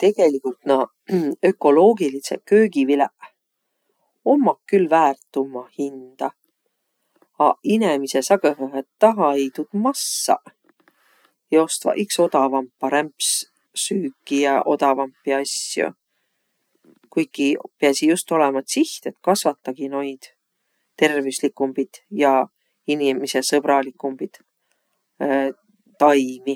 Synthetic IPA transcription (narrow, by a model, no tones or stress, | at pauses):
t̪e̞ɡ̥e̞likult̪nɑ | ø̞kːˑo̞lo̞ːɡ̥ilisekø̞ːɡ̥ivileʔ | o̞mːɑkkːylvæːrt̪ːˑumɑhind̪̥ɑ | ɑinemise̞sɑɡøɦøɦet̪t̪ːɑɦɑejt̪ud̪̥mɑsːɑ̰ | jo̞st̪vɑ̰ʔikso̞d̪̥ɑvɑmpːɑɾæmps | syːkːˑijɑʔo̞d̪ɑvɑmpːˑiɑsjṵ | kuj̪̚kipeɑsijust̪o̞lemɑt̪siht̪e̞t̪kɑsvɑt̪ːɑɡ̥ino̞jd̪̥ | t̪e̞rvislikːˑumbid̪̥jɑ | inimise̞sɤb̥ɾɑlikːˑumbid̪̥ | t̪ɑjmi